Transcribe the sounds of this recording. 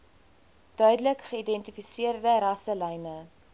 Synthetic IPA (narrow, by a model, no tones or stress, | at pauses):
d̥œɥdələkχəidɛntifisiərdəɾɐsəlɛjnə